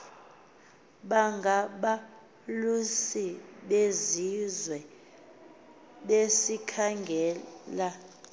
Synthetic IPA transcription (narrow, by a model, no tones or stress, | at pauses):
ɓaŋɡʱaɓa | lusiɓezizwɛ | ɓesikʰaŋɡʱɛːla